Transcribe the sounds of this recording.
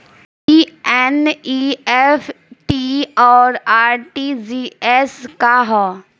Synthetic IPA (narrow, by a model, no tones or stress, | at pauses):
iɛniɛf | ʈiɔːɾaːɾʈiziɛskaɦɔ